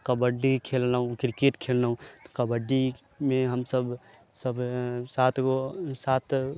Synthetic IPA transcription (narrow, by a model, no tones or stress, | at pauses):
qɐbəɖikʰeːlnaɦũkɾkeːʈkʰeːlnaːɦũqɐbəɖi | mẽɦɐmsɐb | sɐbsaːt̪ʰkosaːt̪ʰ